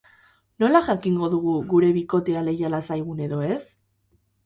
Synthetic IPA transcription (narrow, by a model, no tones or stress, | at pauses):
no̞laʝakiŋɡo̞ðuɣ̞uɣuɾe̞βiko̞t̪e̞ale̞jalasajɣ̞une̞ðo̞e̞s